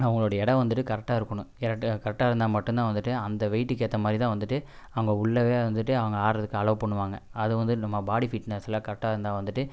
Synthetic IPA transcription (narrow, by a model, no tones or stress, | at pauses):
ɐʋɐŋɡɐɭoːɽɐɪɽɐ̃ʋɐnd̪ɯʈːɯkɐɾɛk̚ʈːaːɪɾɯkːɐɳʊ̃ɪɾɐːkɐɾɛk̚ːaːɪɾɯnd̪aːmɐʈːɯnt̪ãːʋɐnd̪ɯʈːɯɐnd̪ɐʋɐɪʈːɯkːeːɾt̪ːɐmaːd̪ɾit̪ãːʋɐnd̪ɯʈːɯ | ɐʋɐŋɡɐʊɭːɐʋeːʋɐnd̪ɯʈːɯɐʋɐŋɡɐaːɾɐðɯkːɯɐɭɐʋɐpɐɳːɯʋaːŋɡɐɐðɯʋɐnd̪ɯnɐmːɐbaːɽifiːʈnesɪlãːkɐɾɛk̚ʈːaːɪɾɯnd̪ãːʋɐnd̪ɯʈːɯ